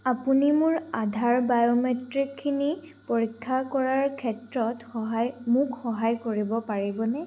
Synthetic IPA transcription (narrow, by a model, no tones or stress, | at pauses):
apunimʊɹadʱaɹbajɔmetɹikʰːini | poɹikʰːakɔɹaɹkʰɛtɹɔtxɔɦajmʊkxɔɦajkoɹibɔpaɹibɔnɛ